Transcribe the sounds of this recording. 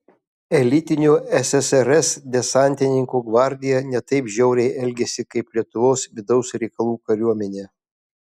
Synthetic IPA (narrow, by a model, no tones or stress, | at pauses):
ɛlʲɪt̪ʲɪnʲuɛsʲɛsɛɾɛsd̪ʲɛsɑˑnʲt̪ʲɪnʲɪŋkuːɡʋɑˑɾʲd̪ʲɪjɛnʲɛt̪ɐɪpʒʲɛʊɾʲɛɪʔɛlʲɡʲɛsʲɪkɐɪplʲiɛt̪ʊʋoːsʋʲɪd̪ɐʊsɾʲɛɪkɐlˠuːkɐɾʲuɔmʲɛnʲeː